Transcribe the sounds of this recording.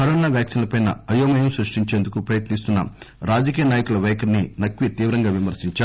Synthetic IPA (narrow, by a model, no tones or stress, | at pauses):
kɐɾɔːnaːʋjaːksinlɐpɐjnɐɐjoːmɐjɐmsɾɐʂʈiɲt͡ʃe̞ːnd̪ukupɾɐjɐt̪nist̪unːɐ̰ | ɾaːd͡ʒɐkiːjɐnaːjɐkulɐʋɛːkɐɾninɐkʋit̪iːʋɾɐŋɡaːʋimɐɾsiɲt͡ʃaːu